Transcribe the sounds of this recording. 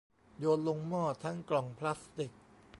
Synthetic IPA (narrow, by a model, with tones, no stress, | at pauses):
joː˧nlo˧ŋmɔː˥˩t̪ʰːa˦˥ŋklɔ˨˩ŋpʰla˦˥st̪i˨˩k̚